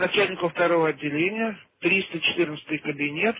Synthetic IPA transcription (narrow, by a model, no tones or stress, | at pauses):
nɐt͡ɕælʲnʲɪkʊft̪ɐɾo̞vəɐdʲːɪlʲenʲɪjət̪ɾʲist̪ət͡ɕɪ̥t̪ɨrnət̪sət̪ɨjkəbʲɪnʲe̞t̪